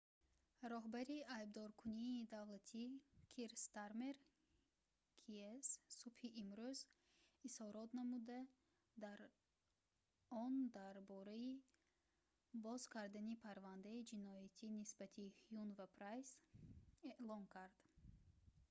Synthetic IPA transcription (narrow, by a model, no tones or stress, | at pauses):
ɾɔɦbaɾiajb̚d̪ɔɾkʰuniːd̪avlat̪ʰikʰiɾst̪aɾmeɾ | kʰiessubhiʔimɾyz | ishɔɾɔt̪namud̪a | d̪aɾ | ɔnd̪aɾbɔɾai | bɔzkʰaɾd̪anipʰaɾvand̪aid͡ʒinɔjat̪ʰinisbat̪ʰihjunvapʰɾajz | eʔlɔnkʰaɾd̪̥